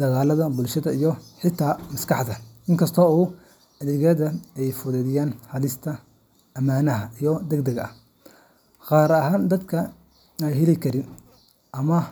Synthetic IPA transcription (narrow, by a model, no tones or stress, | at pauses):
d̪̥ɐɣaːlɐðɐbʊlʃɐðɐijɔħɪt̪ʰːaːmɐskʰɑħd̪ɐɪŋkʰɐst̪ʰɔːuː | ɐðɛɣɐðɐɛjfʊðɛðɪjaːnħɑlɪst̪ʰɐ | ʔɐmaːnɐɦɐʔijɔd̪ɛɡd̪ɛɡɐ̰ | qɑːɾɐɦaːnd̪ɐd̪kʰɐ | ajɦɛlɛkʰɐɾɪn | ʔɐmɐ